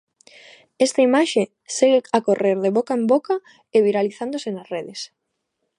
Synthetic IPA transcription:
ɛst̪aimaʃe | seɣeakoreɾðeβokaemboka | eβiɾaliθand̪osenasreðes

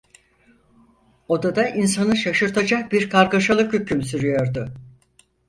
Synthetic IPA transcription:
od̪ad̪aʔinsanɯʃaʃɯɾt̪ʰad͡ʒak̚biɾkʰaɾkaʃalˠɯkhycʰymsyɾyjo̞ɾd̪ʊ

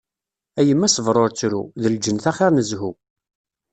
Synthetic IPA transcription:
æjəmːæsəvɾˤoɾt͡sːɾṵðəld͡ʒənθæχeɾˤnəzɦu

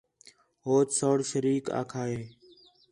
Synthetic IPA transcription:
ɦoːt̪soːɽʃəɾiːka̰ːkʰaːɦeː

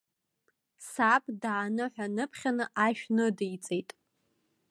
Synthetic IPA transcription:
sapʼdaːnɨħʷᶣanɨpʰχʲanɨʔaʃᶣnɨdjt͡sʼejtʼ

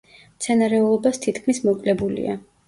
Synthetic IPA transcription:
mt̪sʰɛnaɾɛɔlɔbast̪ʰit̪ʰkʰmismɔkʼlɛbulḭa̰

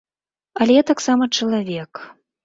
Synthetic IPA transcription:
ɐlʲɛjat̪aksamɐt͡ʂɐlˠavʲɛk

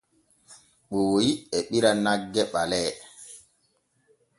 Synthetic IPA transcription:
ɓoːjiɛɓiɾanaɡːɛɓalɛː

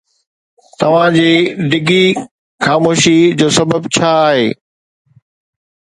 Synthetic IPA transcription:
t̪ɐʋ̤ãd͡ʑiːɖɪɡi | xaːmoːʃid͡ʑoːsɐbəbt͡ɕʰaːɦeː

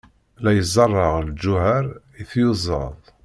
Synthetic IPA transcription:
læjəzˤɑrˤːɑʁld͡ʒːʊhaɾ | iθjuzˤːɑ̰ðˤ

